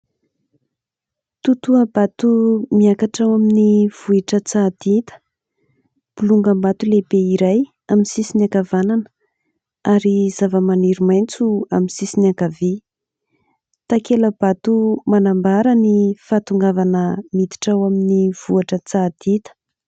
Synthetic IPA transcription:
t̪ut̪uəbat̪umiakaʈ͡ʂawaminiv̥uiʈ͡ʂət͡sad̪̥it̪ə̥ | puluŋɡəmbat̪ulebeiɾaj | aminsisiniakavananə̥ | aɾizavəmaniɾimajnt͡suaminsisiniakavi | t̪akeləb̥at̪umanambaɾənifat̪uŋɡavanəmid̪i̥ʈ͡ʂawaminiv̥uaʈ͡ʂət͡sad̪̥it̪ə̥

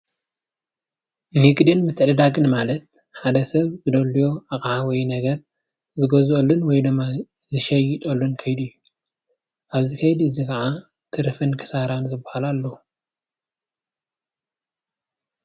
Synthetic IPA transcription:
niɡʼd̪inmɨt̪ʰʕlɨd̪aɡɨnmalɐt̪̚ | ħad̪ɐsɐβzɨd̪ɐlːujo̞aχʼʕawɔjnɐɡɐɾ | zɨɡozolːunwɔjd̪ɨmːa | zɨʃɐjɪt̪ʼolːunkʰɐjd̪ɨjːu | ʔaβzikʰɐjd̪ɨzikʰɐʕa | t̪ʰɨɾɨfɨnkʰɨ̥saɾanzɨbːɐhalalːou

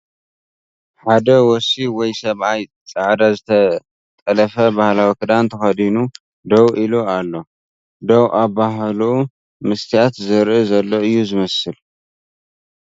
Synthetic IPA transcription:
ħad̪ɐwɔsiwɔjsɐβʔaj | t͡sʼɐʕd̪azɨt̪ʰɐ | t̪ʼɐlɐfɐbahlawikʰɨd̪ant̪ʰɐxɐd̪inu | d̪owʔilualːo̞ | d̪owʔabaɦlu | mɨst̪ʰijat̪zɨɾʔɨzɐlːoɨjːuzɨmɐsɨl

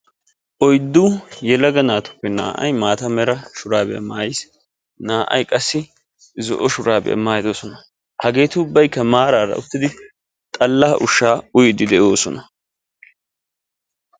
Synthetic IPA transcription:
ʔɔjd̪ːuːjɛlɐɡɐnaːt̪ʊ̥pːɛna̰ːʔɐ̰jmaːt̪ɐmɛɾɐʃʊɾaːbɛ̰ʔɐ̰maːjs | naːʔɐ̰jkʼɐsːɪ | zɔ̰ʔɔʃʊɾaːbɛ̰ʔɐ̰maːjd̪osɔnɐ | hɐɡe̞ːt̪ʊʊbːɐjkːɐmaːɾaːɾɐ̰ʊt̪ːɪd̪ɪ | t̪ʼɐlːɐːʔʊʃːaːʊjɪd̪ɪd̪ɛʔo̞ːsɔnɐ

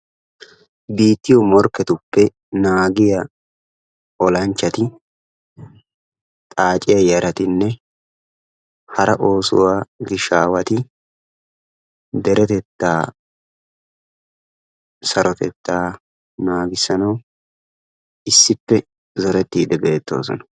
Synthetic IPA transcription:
biːt̪ːɪjɔmɔɾkːɛt̪ʊpːɛ | naːɡɪjɐ | ɔlɐnt͡ʃːɐt̪ɪ | t̪ʼaːt͡ʃʼɪjɐjɐɾɐt̪ɪnːɛ | hɐɾɐʔo̞ːsʊ̰waːɡɪʃaːwɐt̪ɪ | d̪ɛɾɛt̪ɛt̪ːaː | sɐɾʔɔt̪ɛt̪ːaː | naːɡɪsːɐnɐw | ɪsːɪpːɛ | zɔɾɛt̪ːiːd̪ɛbe̞ːt̪ːo̰ːsɔ̰nɐ̥

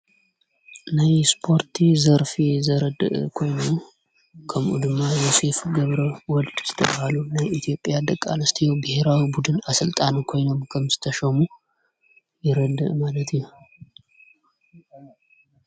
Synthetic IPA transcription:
najspʰo̞ɾt̪ʰizəɾfizəɾəd̪ə̰ʔkʰo̞jnom | kʰəmʔṵd̪ɨmːajose̞fɡəβɾəwɔld̪̥z̥ɨ̥t̪ʰə̰bahalunajit̪ʰijo̞pʼːjad̪əkʼːa̰nəst̪ʰjowbɨhe̞ɾawibud̪ɨnasɨlt̪ʼankʰo̞jnomkʰəmsɨ̥t̪ʰəʃɛmu | jɛɾəd̪ɨ̰ʔmalət̪ʰɲu

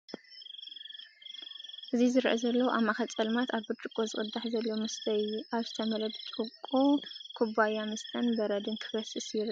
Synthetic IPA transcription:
ʔɨzizɨɾʔɐzɐlːɐwʔamːaxɐt͡sʼɐlmat̪aβbɨɾt͡ʃʼɨkʼːozɨχʼɨd̪ːaħzɐlːomɨst̪ɐjʔaβzɨt̪ʰɐmɐlɐb̪t͡ʃʼɨkʼokʰubajamɨst̪ʰʼɐnbɐɾɐd̪ɨnkʰɨ̥bɐsɨsjɪɾ

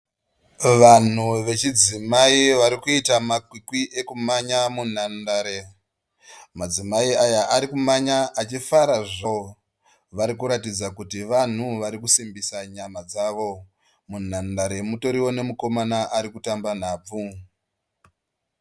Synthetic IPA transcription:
ʋan̤uʋe̞t͡ʃid͡zimaiʋaɾikuitamakwikwiʔe̞kumaɲamun̤andaɾe | mad͡zimaiajaʔaɾikumaɲaʔat͡ʃifaɾaʐao | ʋaɾikuɾatid͡zakutiʋan̤uʋaɾikusimbisaɲamad͡zaːʋo̞ | mun̤andaɾe̞muto̞ɾiwo̞ne̞muko̞manaʔaɾikutamban̤aːb͡vu

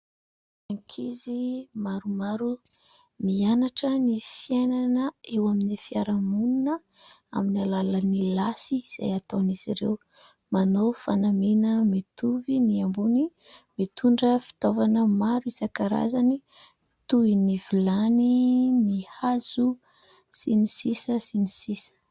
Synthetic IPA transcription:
aŋkʰizimaɾumaɾu | mianaʈ͡ʂənifjenanəewaminifiaɾamununə | a̰minalalənilasiːz̥a̰jat̪oniziɾḛw | manofanaminəmit̪uviniambunimit̪uɳɖ͡ʐəfi̥t̪ovanəmaɾuizakaɾa̰zani | t̪uinivilaninihazu | sinisisəsinisisə̥

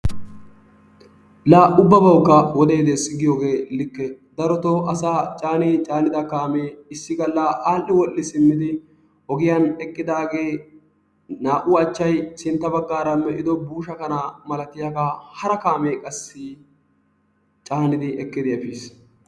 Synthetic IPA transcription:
laːʔʊbːɐbɐwkːɐwɔd̪eːd̪esɪɡɪjoːɡe̞ːlɪkːɛ | d̪ɐɾɔt̪ɔʔɐsaːt͡ʃʼaːnit͡ʃʼaːnɪd̪ɐkaːmeːɪsːɪɡɐlːaʔaːlːɪwɔlːɪsɪmːɪd̪ɪ | hɔɡɪjɐnɛkʼːɪd̪aːɡe̞ː | naːʔʊɐt͡ʃːɐjsɪnt̪ːɐbɐɡːaːɾɐmːɛʔɪd̪ɔbuːʃɐkɐnamɐlɐt̪ɪjɐkɐhɐɾɐkaːmeːkʼɐsːɪ | t͡ʃʼaːnɪd̪ɪʔɛkːɪd̪ɪɐfiːs

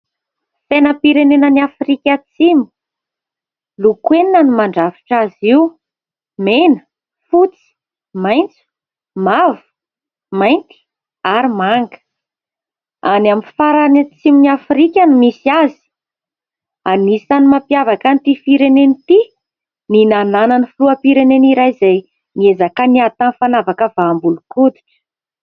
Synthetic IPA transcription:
fenəpiɾenenəniafrikʲat͡simu̥ | lukwennanimaɳɖ͡ʐavi̥ʈ͡ʂaziw | menə̥ | fut͡si̥ | majnt͡su̥ | mavu̥ | majnt̪i̥ | aɾimaŋɡə̥ | anamifaɾanat͡siminiafɾikʲanimisiazi̥ | anisanimapjavakant̪ifiɾenenit̪i | ninanananifuluapiɾeneniɾajzaj | niezakəniat̪anfanavakəvaːmbulukud̪i̥ʈ͡ʂə̥

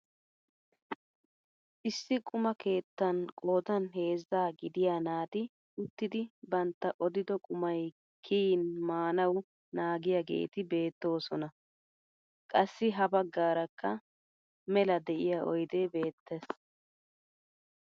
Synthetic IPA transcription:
ʔɪsːɪkʼʊmɐke̞ːt̪ːɐnkʼoːd̪ɐnɦe̞ːzːaːɡɪd̪ɪjaːnaːd̪ɪ | ʊt̪ːɪd̪ɪbɐnt̪ːɐʔɔd̪ɪd̪ɔkʼʊmɐj | kʰiːnmaːnɐw | naːɡɪjaɡḛːt̪ɪbe̞ːt̪ːo̞ːsɔnɐ | kʼɐsːɪɦɐbɐɡːaːɾɐkːɐ | mɛlɐd̪ɛʔɪjaʔɔjd̪ebe̞ːt̪ːɛs

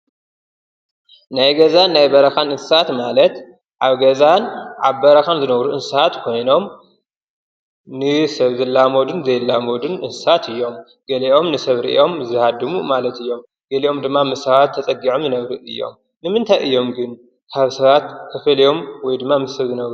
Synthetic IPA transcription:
najɡɐzanːajbɐɾɐxanɨnsɨsat̪malɐt̪ | ʕaβɡɐzanʕaβbɐɾɐxanzɨnɐβɾuʔɨnsɐat̪kʰo̞jno̞m | nɨsɐβzɨlːamod̪unzɐjlːamod̪unʔɨnssat̪ʰɨjːo̞m | ɡ̥ɐliʔo̞mnɨsɐβɾḭʔʔo̞mzɨhad̪ːɨmumalɐt̪ɨjːo̞m | ɡ̥ɐliʔo̞md̪ɨmːamɨsɐβat̪ʰːɐt͡sʼɐɡiʕomzɨnɐβɾɨʔɨjːo̞̰m | nɨmɨnt̪ʰajʔɨjːo̞mɡɨn | kʰaβsɐβat̪kʰɐfɐlijo̞mwɔjd̪ɨmːamɨsɐβzɨnɐβɾu

